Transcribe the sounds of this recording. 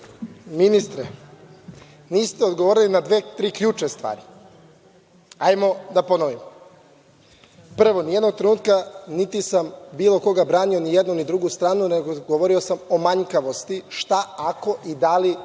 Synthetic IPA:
minist̪ɾe | niːst̪eo̞d̪ɡoʋoːɾilinad̪ʋeːt̪ɾiːkʎuːt͡ʃest̪ʋa̰ːɾi | ajmo̞d̪apo̞noʋimo | pr̩ʋo̞nije̞d̪no̞ɡ̚t̪ɾenuːt̪kanit̪isambiːlo̞ko̞ɡabɾaːnio̞nijed̪nunid̪ɾuɡust̪ɾaːnuneɡoɡoʋoɾio̞samo̞maɲkaʋo̞st̪iʃt̪aako̞ʔid̪ali

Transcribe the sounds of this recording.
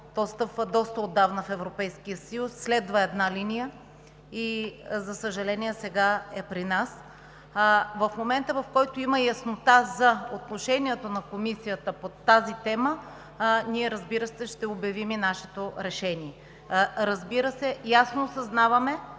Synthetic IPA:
d̪̥ɔst̪əpvəd̪ɔst̪əod̪ːavnəfɛvɾopɛjskijəsɐjusːlɛd̪vəɛd̪nalinijə | izɐsəʒɐlɛniɛsɛɡaɛpɾinas | vɐfmomɛnt̪əvɐfkɔjt̪oiməjɐsnot̪azɐot̪noʃɛniɛt̪onɐkomisijət̪əpot̪azit̪ɛmə | niɛɾɐzbiɾəsɛʃt̪ɛobjɐviminaʃɛ̥t̪oɾɛʃɛniɛ | ɾəzbiɾəsɛjasnoːsɐznavɐmɛ

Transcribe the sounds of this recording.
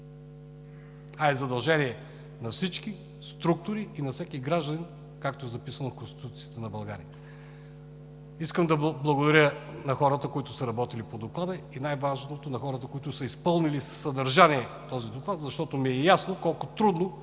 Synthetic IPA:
aɛzɐd̪ɐlˠʒɛniɛ | nɐfsit͡ʃki | st̪ɾuk̚t̪ʊɾiːnɐfsʲɛkiɡɾaʒd̪ənʲɛn | kakt̪oɛzɐpisənofkonst̪i̥t̪ut̪siit̪ɛnɐbɐlˠɡa̰ɾiə | iskəmd̪ɐbblˠɐɡod̪ɐɾʲjənɐxɔɾət̪əkoit̪ʊsəɾɐbɔt̪ilipod̪oklˠad̪əinajvaʒnot̪onɐxɔɾət̪əkoit̪ʊsəispɤlˠnilisə̥sːɐd̪ɐɾʒaniɛ | t̪ɔzid̪oklˠat̪zɐʃt̪ɔt̪omiɛjasnokɔlˠkʊt̪ɾud̪no

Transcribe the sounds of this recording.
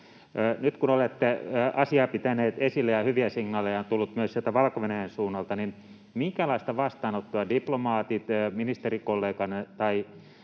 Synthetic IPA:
nyt̪kunolet̪ːeːɑsiɑːpit̪æneːt̪esilːejɑhyʋiæsiŋnɑːlejɑnt̪ulːut̪myøsielt̪æʋɑlkoʋenæjensuːnːɑlt̪ɑnin | miŋkælɑist̪ɑʋɑst̪ɑːnot̪ːuɑdiplomɑːt̪it̪ːminist̪erikolːeːkɑnet̪ɑi

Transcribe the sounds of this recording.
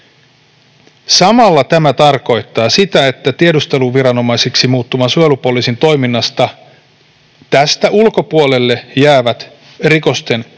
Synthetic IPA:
sɑmɑlːɑt̪æmæt̪ɑrko̞jt̪ːɑːsit̪æe̞t̪ːæt̪iedust̪e̞luʋʋiɾɑno̞mɑjsiksimuːt̪ːumɑsuelupoliːsint̪o̞jminːɑst̪ɑ | t̪æst̪æʔulko̞puole̞lːe̞jæːʋæt̪ | riko̞st̪e̞n

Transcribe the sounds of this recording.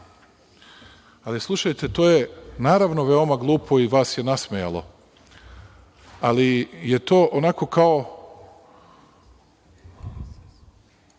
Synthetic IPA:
alislˠuʃajt̪et̪oːjenaːɾaʋnoʋeo̞maɡlˠuːpʰo̞iʋaːsjenasmeja̰lo̞̰ | alijet̪o̞ːʔonako̞kao

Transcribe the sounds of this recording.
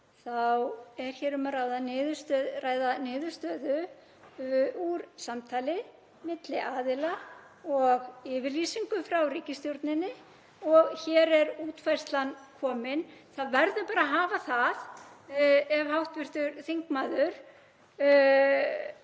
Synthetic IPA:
θawɛɾ̥çɛːɾʏmaraːjðanɪðʏst̪œraːjðanɪːðʏɾ̥st̪œːðʏ | uɾsamt̪ʰaːlɪ | mɪt̪lɪʔaːðɪla | ɔɣɪːvɪɾliːsiŋkʏfɾawriːcɪst̪jowɾt̪nɪnːɪ | ɔɣçɛːɾɛɾuːt̪fajrst̪lankʰɔːmɪnθaðvɛɾðʏpaːɾaɦaːvaθað | ɛvhawht̪vɪr̥t̪ʏɾθiŋkmaːðʏɾ̥

